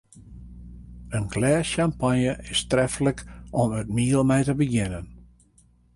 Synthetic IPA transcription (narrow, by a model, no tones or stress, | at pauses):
ənɡlɛːsjampanjəʔɪstrɛfləkɔmətmiːəlˠmɛjtəbəɡɪnən